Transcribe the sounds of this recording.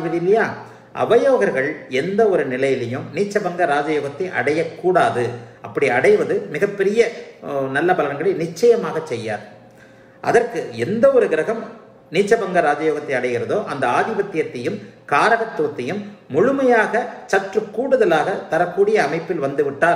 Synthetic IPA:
ʋɐðlːɐjaː | ʔɐ̰ʋɐjoːɣɐɾɣɐɭɛnd̪ɐɔɾɯnɪlɐjɪlɪjɯmniːt͡ʃːɐbɐŋɡɐɾaːd͡ʒɐjoːɣɐt̪ːɐɪʔɐ̰ɽɐjɐkːuːɽaːðɯɐpːɐɽiɐɽɐɪʋɐðɯmɪɣɐpːɛɾɪjɐnɐlːɐpɐlɐɐŋɡɐɭɐɪnɪt͡ʃːɐjɐmaːɣɐt͡ʃːɛjːa̰ːɾ | ʔɐ̰ðɐrkɯɛnd̪ɐɔɾɯɡɪɾɐɣɐm | niːt͡ʃːɐbɐŋɡɐɾaːd͡ʒɐːjoːɣɐt̪ːɐɪɐɽɐɪɣɪɾɐðoːʔɐnd̪ɐaːðɪbɐt̪ːɪjɐt̪ːɐjɯmkaːɾɐɣɐt̪ːoːt̪ːɐjɯmːʊɻʊmɐjaːɣɐt͡ʃɐʈrɯkːuːɽɯðɐlaːɣɐt̪ɐɾɐkːuːɽɪjɐːmɐɪpːɪlʋɐnd̪ɯʋɪʈːaːl

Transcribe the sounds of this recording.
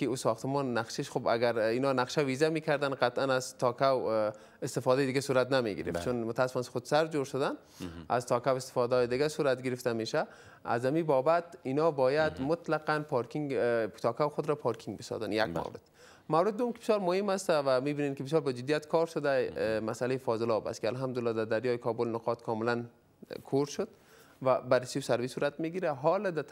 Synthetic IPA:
kɪusɔxt̪ɪmɔnːaqʃeʃxoba̰ɡaɾinɔnaqʃawizamekʰaɾd̪anqat̪ʔanazt̪ʰɔkaw | ɪst̪ɪfɔd̪ajd̪ɪɡasuɾat̪namḛɡɪ̰ɾɪ̰ft̪t͡ʃʰʊnmʊt̪asɪ̥fɔnxʊd̪saɾd͡ʒoɾʃʊd̪an | a̰zt̪ʰɒkawɪst̪ɪ̥fɔd̪ajd̪ɪɡasuɾat̪ɡɪɾɪft̪ameʃa | a̰zhamibɔbat̪inɔbɔjad̪mʊt̪laqanpʰɑɾkiŋɡt̪ʰɒkawxʊd̪ɾɔpʰɑɾkʰiŋɡbɪsɔ̰zanja̰kma̰wɾɪ̰d̪̥ | mawɾɪd̪̚ːʊmkɪbɪ̥sjɑlmʊhɪmast̪avamibinenkɪbɪs̬jɔlbad͡ʒɪd̪ijat̪kʰɔɾʃʊd̪amasalejifɔzɪlɔba̰skɪalɦamd̪ʊlːɔd̪ad̪aɾjɒjikʰɔbʊlnʊqɑt̪kʰɔmɪlan | kʰoɾʃʊd̪ | vabaɾɪsiwsaɾvisuːɾat̪miɡiɾaɦɔld̪a

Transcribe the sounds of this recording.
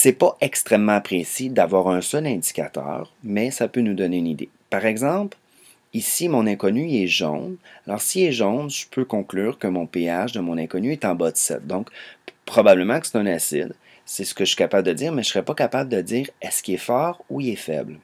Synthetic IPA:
sɛpʌʔɛkst̪ʁɛmːɑ̃pχesid̪avwaːʁɛ̃sœlɛ̃d̪i̥kʲat̪œ̰ːʁmɛsapønud̪ɔneynid̪ḛ | paʁɛɡzɑ̃pl | isimɔ̃nɛ̃kɔnyɛʒɔ̰̃nalʔɔːʁsiɛʒɔ̃nʒ̥əpʰøkɔ̃klyːʁkəmɔ̃peaʒd̪əmɔ̃nɛ̃kɔnyɛt̪ɑ̃bɔt̪sɛ̰t̪̚d̪ɔ̃kpχɔbabləmɑ̃kə̥se̥t̪ɛ̃nasɪ̰d̪ | sɛsə̥kəsɥi̥kapabld̪əd̪iːʁmɛəsəʁɛpɔkapabləd̪əd͡z̪iːʁɛskʲiɛfɑːʁuilɛfɛ̰bl

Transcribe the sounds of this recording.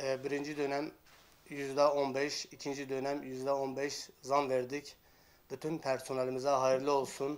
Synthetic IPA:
ɛbiɾind͡ʒid̪ø̞næm | jyzd̪ɛonbɛʃicʰind͡ʒid̪ø̞næmjyzd̪ɛo̞nbɛʃzanveɾd̪ic | byt̪ʰynpʰæɾso̞nalʲˠimizaɦajiɾlʲˠio̞lˠsun

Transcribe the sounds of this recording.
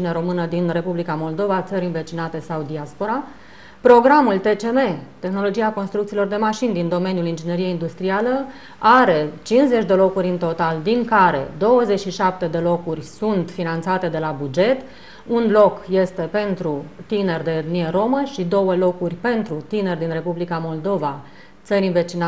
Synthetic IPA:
ineɾo̞mɨnəd̪inre̞publikamo̞ld̪o̞vat̪səɾʲɨnve̞t͡ʃinat̪e̞sawd̪iaspo̞ɾa | pɾo̞ɡɾamult̪e̞t͡ʃe̞me̞t̪e̞xno̞lo̞d͡ʒiako̞nst̪ɾukt̪silo̞rd̪e̞maʃind̪ind̪o̞me̞njulind͡ʒine̞ɾije̞ind̪ust̪ɾialə | aɾe̞t͡ʃinsze̞t͡ʃʲd̪e̞lo̞kuɾʲɨnt̪o̞t̪ald̪iŋkaɾe̞̰d̪o̞wəze̞t͡ʃʃiʃap̚t̪e̞d̪e̞lo̞kurʲsunt̪finant̪sat̪e̞d̪e̞labud͡ʒe̞t̪ | unlo̞kje̞st̪e̞pe̞nt̪ɾut̪ine̞rd̪e̞d̪nieɾo̞məʃid̪o̞wəlo̞kurʲpe̞nt̪ɾut̪ine̞rd̪inre̞publikamo̞ld̪o̞va | t̪səɾʲinve̞t͡ʃina

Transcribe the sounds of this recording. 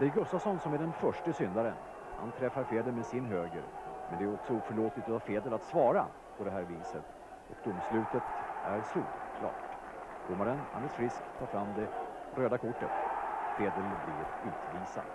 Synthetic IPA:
d̪̥ɛæɾɡɵst̪afsɔnsɔmæɖɛnfœʂʈəsʏnd̪aɾən | ha̰nt̪ʰɾɛfːaɾfeːd̪əmɛsɪnɦøːɡə̰ɾmɛnd̪ɛæɾɔksɔuːfœɭoːt̪lɪt̪ɔɑfeːd̪əlat̪svɑːɾa | pʰɔd̪ɛɦæːɾviːsət̪ | ɔkd̪ʊmːslʉ̟ːt̪ət̪æɾst̪ṵːɾkʰlɑ̰ːʈd̪̥ʊmːaɾənha̰nlɪt̪fɾɪskt̪ʰːɑːɾfɾamːd̪ɛɾøːd̪akʰʊʈːət̪feːd̪əlblɪ̰ɾʉ̟ːt̪viːsa̰

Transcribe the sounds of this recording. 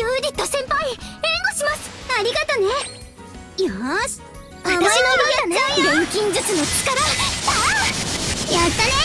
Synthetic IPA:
jɯːd͡ʑit̪ːosẽ̞mpaimẽŋɡoɕimasɨ̥aɾʲiɡat̪one | jasɨ̥ | at̪aɕinoɾianaɡõŋkʲĩɲ̟d͡ʑɨt͡sɨnot͡sɨ̥kaɾat̪a | jat̪ːane

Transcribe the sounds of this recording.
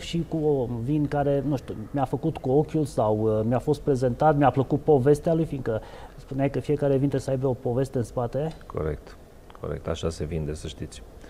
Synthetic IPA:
ʃikuovinkaɾe̞nuʃt̪imiafəkut̪kuo̞kʲulsawmʲjafo̞st̪̚pɾe̞ze̞nt̪at̪miapləkut̪̚po̞ve̞st̪ealujfiŋkəspuneajkəfije̞kaɾe̞vint̪esəajbeo̞po̞ve̞st̪əɨnspat̪e̞kʰo̞̰ɾḛk̚t̪ | kʰo̞̰ɾḛk̚t̪a̰ʃasevind̪esəʃt̪it̪sʲ

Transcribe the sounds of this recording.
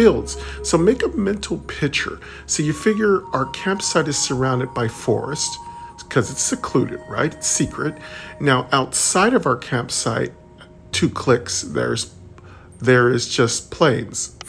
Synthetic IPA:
ilˠdz̥soʊmeɪkəmɛ̃ntʰl̩ˠpʰɪk̚t͡ʃə̰˞ | soʊjɨfɪɡjə˞aʊə˞kʰæ̃mpsaɪɾɨz̥sə˞ãʊ̃ndɨd̚baɪfɔ̰ɹɨst | kʰʌzɨtsɨkʰl̥ʉɾɨ̰d̚ɹa̰ɪtsikʰɹɨtⁿnaʊʔaʊtsaɪɾʌvaʊə˞kʰæ̃mpsaɪtʰ | ʉkʰl̥ɪksðə̰˞ɨz̥ | ðə˞ɪzd͡ʒʌspʰl̥ẽɪ̃nz̥

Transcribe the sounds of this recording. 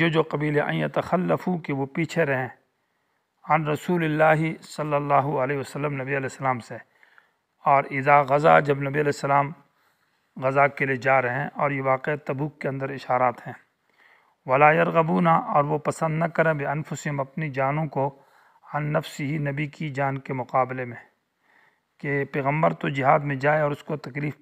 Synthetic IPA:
jod͡ʒoːqɐbiːleʔɐ̰̃njɐt̪ɐxɐlːɐfukeʋopiːt͡ʃʰeɾɐɦẽ | ɐnɾɐsuːlɪlːaːɦɪsɐlːɐlːaːɦuɐleːɦɪʋɐsɐlːəmnɐbiɐlɛːsːɐlaːmse | ɔːɾɪzaːɣɐza̰d͡ʒɐbnɐbiɐlɛːsːɐlaːm | ɣɐzakeled͡ʒaːɾɐɦɛ̃ʔɔːɾjeʋaːqet̪ɐbuːkːeɐ̃nd̪əɾɪʃaːɾaːt̪ɦɛ̃ː | ʋɐlaːjɐɾɣɐbuːnaʔɔːɾʋopɐsə̃nd̪nɐkɐɾẽbɪɐnfʊsɪɦɪ̃mɐpnid͡ʒaːnõko | ɐnːɐfsɪɦinɐbikid͡ʒaːnkemʊqaːblemẽ | kepɛːɣə̃mbəɾt̪od͡ʒɪɦaːd̪mẽd͡ʒaːeɔːɾʊskot̪ɐkliːf

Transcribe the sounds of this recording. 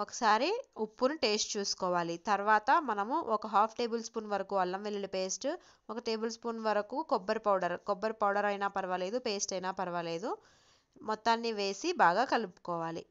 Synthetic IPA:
ɔkɐ̥saːɾiupːunuʈe̞ːsʈt͡ʃuːsu̥kɔːʋaːlit̪ɐɾʋaːt̪ɐmɐnɐmuʔɔkɐɦaːpʰʈe̞ːbulspuːnʋɐɾɐkuːɐlːɐmʋelːilupe̞ːsʈ | ɔkɐʈe̞ːbulspuːnʋɐɾɐkuːkɔbːɐɾupɐwɽɐɾkɔbːɐɾupɐwɽɐɾɐjnaːpɐɾɐʋɐle̞ːd̪upe̞ːsʈɐjnaːpɐɾɐʋɐle̞ːd̪u | mɔt̪ːaːnːiʋe̞ːsibaːɡaːkɐlupu̥kɔːʋaːlḭ

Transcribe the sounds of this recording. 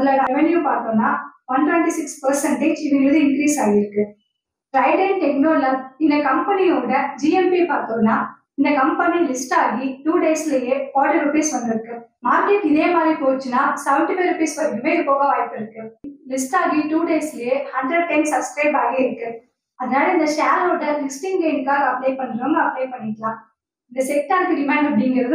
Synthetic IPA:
ɐɪlɐɾʋɛnjupaːɾt̪õːnːaːʋɐnʈʋɛɳʈisɪkspɐɾsɐɳʈeːd͡ʒɪðɯɪɾɯðɯɪŋkɾiːsaːɣɪɾɯkːɯ | ɾɐɪɖɐnʈɛk̚noːlɐɪnd̪ɐkɐmpɐniɔɽɐd͡ʒiːɛpipaːɾt̪oːnːaː | ɪnd̪ɐkɐmpɐnilɪsʈaːɣiʈuːɖeːsɪlɐjeːfoːɾʈiɾʊpiːsʋɐnd̪ɪɾɯkːɯmaːd̪ɾiʈɪðeːmaːd̪ɾipoːɾt͡ʃːɯnːaːsɐʋɐɳɖɯpeːɾʊpiːspɐɾɾɯmeːɪɾɯpoːɣɐʋaːjpːɪɾɯkːɯlɪsʈaːɣiʈuːɖeːsɪlɐjeːhɐɳɖɾɐɖ̚ʈɐɳsɐbskɾɐɪbaːɣeːɪɾɯkːɯ | ɐðɐnaːɽɐɪnd̪ɐʃaːɾoːʈːɐlɪsʈɪŋɡeɪnkaːɣɐːpɽeːpɐɳːɯɾoːŋɡɐɐpːɽeːpɐɳːɪʈːɐlãː | ɪnd̪ɐsɛk̚ʈaːɾkɪɾɪmaːɳɖɐpːɐɽɪŋɡɪɾɐðɯ

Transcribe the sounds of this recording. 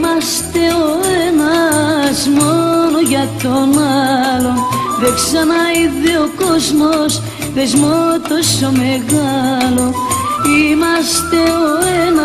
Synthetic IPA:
mɐst̪e̞oeenɐzmonoʝɐt̪o̞nɐlo̞ðeksɐnɐiðeokozmos | ðezmot̪o̞so̞meɣɐlo̞ | imɐst̪e̞oenɐ

